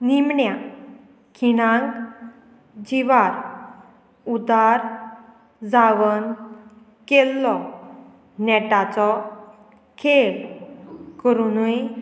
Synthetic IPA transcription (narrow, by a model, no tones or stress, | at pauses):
nimɳja | kʰiɽãŋk | d͡ʑiʋaɾ | ud̪aɾ | d͡zaʋən | kelːɔ | nɛʈat͡sɔ | kʰel | kəɾunuj